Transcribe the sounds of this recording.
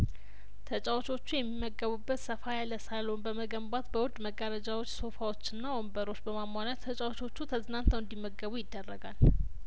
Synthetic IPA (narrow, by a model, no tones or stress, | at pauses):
t̪ʰət͡ʃʼawt͡ʃo̞t͡ʃːujɛmːimːəɡəβubːət̪səfajaləsalo̞nbəməɡəmbat̪bəwʊd̪ʼməɡəɾəd͡ʒawo̞t͡ʃːso̞fawo̞t͡ʃːɪnːawombəɾo̞t͡ʃːbəmamːanat̪ʰːət͡ʃʼawt͡ʃo̞t͡ʃːut̪ʰəzɨnant̪əwɨnd̪imːəɡəβujɪd̪ːərːəɡal